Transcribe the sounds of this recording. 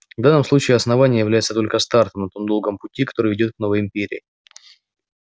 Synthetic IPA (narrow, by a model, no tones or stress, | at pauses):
vd̪anːəmslˠut͡ɕɪːɐsnɐvanʲɪjəjɪvlʲæjɪtsət̪o̞lʲkəst̪art̪əmnɐt̪o̞md̪o̞lˠɡəmpʊtʲikɐ̥t̪o̞ɾɨjvʲɪdʲot̪kno̞vəjɪmʲpʲeɾʲɪ̰ː